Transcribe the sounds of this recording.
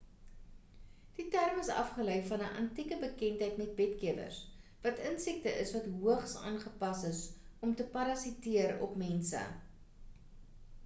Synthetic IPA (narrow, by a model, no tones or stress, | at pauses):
d̥itærməsɐ̰fχələjfɐnəʔɐ̰ntikəbəkɛntɦəjtmɛt̚bɛtkiəvə̰rsvɐtənsik̚təʔəsvɐtɦuəχsɑ̰ːnχəpɐsəsɔmtəpɐɾɐsitiəɾɔ̰pmɛnsə̰